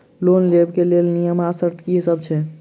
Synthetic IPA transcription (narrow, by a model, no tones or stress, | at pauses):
lonlebkelelnijəmasəɾt̪kisəbt͡ʃʰɛ